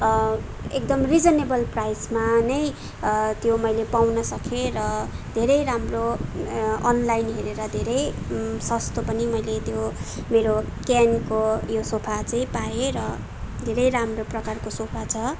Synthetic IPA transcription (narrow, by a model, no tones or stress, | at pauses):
ek̚d̪ʌmrid͡zʌnebʌlprajsmanʌj | t̪jomʌjlepawnʌsʌkʰeɾʌd̪ʱeɾʌjɾamro | ʌnlajnɦeɾeɾʌd̪ʱeɾʌj | sʌst̪opʌnimʌjlet̪jo | meɾo | kankojosopʰat͡sʌĩpaeɾʌ | d̪ʱeɾʌjɾamroprʌkarkosopʰat͡sʰʌ